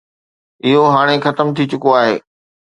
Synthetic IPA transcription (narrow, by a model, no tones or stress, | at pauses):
ɪɦoɦaːɽ̃exɐt̪əmt̪ʰit͡ɕʊkoaːɦeː